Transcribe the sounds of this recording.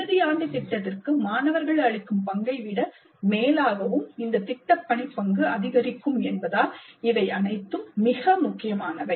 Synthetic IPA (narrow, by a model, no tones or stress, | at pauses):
ɯðɪjaːɳɖɯt̪ɪʈːɐtɪrkɯmaːnɐʋɐɾɣɐɭɐɻɪkːɯmpɐŋɡɐɪʋɪɽɐ | meːlaːɣɐʋɯmɪnd̪ɐt̪ɪʈːɐpːɐɳɪpːɐŋɡɯɐðɪɣɐɾɪkːɯmɛnbɐðaːlɪʋɐɪʔɐnɐɪt̪ːɯmːɪɣɐmʊkːɪjɐmaːnɐʋɐɪ